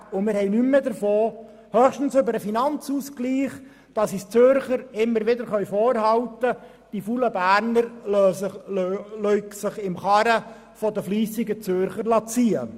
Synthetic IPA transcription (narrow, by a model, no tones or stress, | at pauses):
ʊmɪɾhɛɪnymːəd̪əɾfoː | hœχʃtən̩søbəɾəfinɑnt͡suːskliːχ | d̥ɑsist͡søɾχəɾɪmːəɾʋɪdəɾχœʏfoːɾhɑwt̪ə | d̥ifuləbæːɾnəɾ | lœʏksəχɪmχɑɾə | fɔdəfliːsɪɡət͡søɾχəɾlɑt͡siːə